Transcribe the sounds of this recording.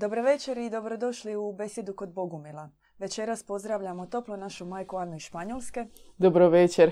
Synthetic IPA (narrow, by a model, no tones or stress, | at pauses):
d̪o̞bɾo̞ʋe̞t͡ʃe̞ɾid̪o̞bɾo̞d̪o̞ʃliube̞sje̞d̪uko̞d̪̚bo̞ɡumilˠa | ʋe̞t͡ʃe̞ɾaspo̞zd̪ɾaːʋʎamo̞t̪o̞plo̞naʃumajkuanːoiʃpaɲolˠske̞d̪obɾoʋet͡ʃeɾ